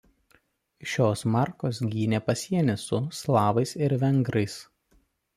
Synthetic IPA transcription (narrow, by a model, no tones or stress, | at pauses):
ʃʲoːsmɑˑɾkoːsɡʲiːnʲeːpɐsʲiɛnʲɪsʊslˠɑːʋɐɪsɪɾʋʲɛŋɡɾɐɪs